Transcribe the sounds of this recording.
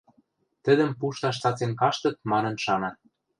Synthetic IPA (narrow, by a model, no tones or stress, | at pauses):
t̪ə̆d̪ə̆mpuʃt̪ɑʃt̪ɑt͡senkɑʃt̪ɤ̆t̪̚mɑnɤ̆nʃɑnɑ